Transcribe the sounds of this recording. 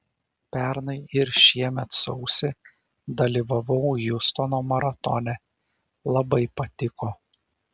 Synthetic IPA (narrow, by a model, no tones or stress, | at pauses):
pʲæɾnɐɪɪɾʃʲiɛmʲɛt̪sɔʊsʲɪ | d̪ɐlʲiʋɐʋɒʊjʊst̪ɔnoːmɐɾɐt̪ɔnʲɛ | lˠɐbɐɪpɐt̪ʲɪkoː